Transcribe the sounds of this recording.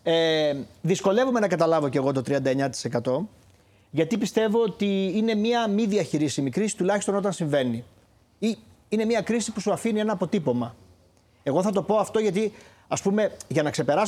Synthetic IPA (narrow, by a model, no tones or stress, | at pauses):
eðisko̞le̞vume̞nɐkɐt̪ɐlɐvo̞ce̞ɣo̞t̪o̞t̪ɾiɐnd̪ɐeɲɐt̪i̥se̞kɐt̪o̞ | ʝɐt̪ipist̪e̞voot̪iine̞miɐmiðiɐçiɾisimikɾisi̥t̪ulɐçist̪o̞no̞t̪ɐnsiɱve̞ni | i | ine̞miɐkɾisipusuɐfinie̞nɐːpo̞t̪ipo̞mɐ | e̞ɣo̞θɐt̪o̞po̞ɐft̪o̞ʝɐt̪i | ɐspume̞ʝɐnɐkse̞pe̞ɾɐs